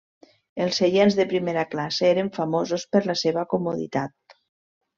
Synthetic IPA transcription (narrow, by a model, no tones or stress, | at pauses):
elˠseʎenzðepɾimeɾaklaseeɾeɱfamozospəɾlaseβakomuðḭt̪at̪̚